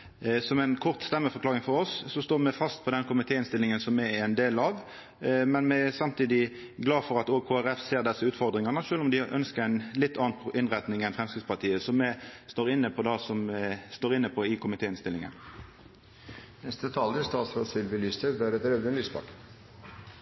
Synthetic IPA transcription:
sɔmɛnkʰɔʁt̪st̪ɛmːəfɔʁklɑːʁɪŋfɔɾɔsːɔst̪oːʁmɛfɑst̪̚pʰɔd̪ɛnkʰʊmɪt̪ʰeːɪnst̪ɪlːɪŋənsɔmːɛɛnd̪eːlɑʋ | mɛnmɛæsɑmt̪ʰiːd̪ɪ | ɡlɑːfɔʁɑt̪oːkʰoːæɾɛfseːʁd̪ɛsːəʉːt̪fɔʁd̪ʁɪŋɑnəʃøːlɔmd̪ɪʔœ̰nskəɛɪnlɪt̪ːɑːɑnʔɪnʁɛt̪nɪŋɛnfʁɛmskʁɪt̪spɑt̪ʰiːəsɔmɛst̪oːʁɪnːəpʰɔd̪ɑsɔmst̪oːʁɪnːəpʰɔɪkʊmɪt̪ʰeːɪnst̪ɪlːɪŋə̰n | nɛst̪ət̪ʰɑːld̪əst̪ɑːt̪sɾo̰ːsʋɪlbɪlyːst̪əʋæːɾɛt̪ɾɛʋd̪ənlyːsbɑ̰k

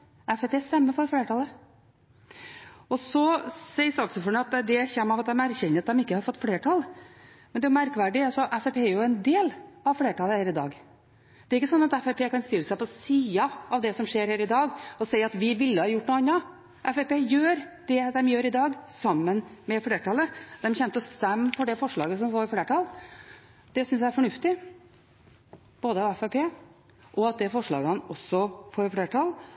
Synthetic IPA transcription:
ɛfɛpeːst̪ɛmːəɾfɔɾfleːʈɑlə | ɔsɔsɛɪsɔksɔfɔɳəɑt̪d̪ɛçɛmːɑʋɑt̪̚d̪ɛmæɾçɛnːəɾɑt̪̚d̪ɛmɪkːəhɑɾfɔt̪ːfleːʈʰɑl | mɛnd̪ɛʊmæɾkʋæɖɪɑlsɔʔɛfɛpʰeːæɾjʊɛnd̪eːlɑʋfleːʈɑləhæːɾɪd̪ɑ̰ːɡ | d̪ɛɾɪkːəsɔnːɑt̪ɛfɛpeːkɑnst̪ɪlːəsæɪpɔsiːɑʔɑʋd̪ɛsɔmʂeːɾhæːɾɪd̪ɑːɡɔsɛɪɑt̪ʋɪʋɪlːəhɑjʊʈːnuːɑnːɑ | ʔɛfɛpeːjøːɾd̪̥ɛd̪ɛmjøːɾɪd̪ɑːɡsɑmːənmɛfleːʈɑləd̪ɛmçɛnt̪əɔst̪ɛmːfɔɖɛfɔʂɭɑːɡəsɔmfoːɾfleːʈɑl | d̪̥ɛsʏns̬æɪæɾfɔɳʉft̪ɪ | b̥oːd̪əɑʋɛfɛpʰeː | ʔɔɑt̪̚d̪ɛfɔʂɭɑ̰ːɡəhɑnɔsːɔfoːɾfɽeːʈʰɑl

